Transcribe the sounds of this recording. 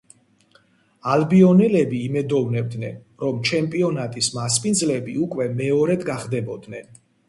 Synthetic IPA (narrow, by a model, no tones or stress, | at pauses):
albiɔnɛlɛbiːmɛd̪ɔvnɛb̚d̪nɛn | ɾɔmt͡ʃʰɛmpʼiɔnat̪ʼismaspʼinzlɛbiukʼwɛmɛɔɾɛd̪ɡaχd̪ɛbɔd̪nɛn